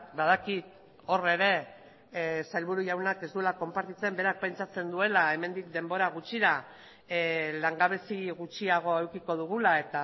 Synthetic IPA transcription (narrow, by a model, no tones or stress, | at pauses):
baðakit̪ | o̞re̞ɾe̞ | sajlβ̞uɾuʝawnake̞zd̪ulako̞mpaɾt̪it͡se̞mbe̞ɾak̚pe̞nt͡sat͡se̞nd̪ue̞lae̞me̞nd̪ik̚d̪e̞mbo̞ɾaɣut͡ʃiɾa | laŋɡaβ̞e̞siɣut͡ʃiaɣ̞o̞ewkiko̞ð̞uɣ̞ulae̞t̪a